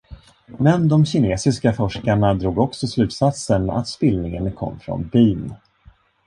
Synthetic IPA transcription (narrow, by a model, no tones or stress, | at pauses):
mɛnd̪ɔmɕɪneːsɪskafɔʂkaɳad̪ɾuːɡɔksɔslʉ̟ːt̪sat̪səna̰t̪spɪlnɪŋənkʰɔ̰mːfɾɔ̰nbiːn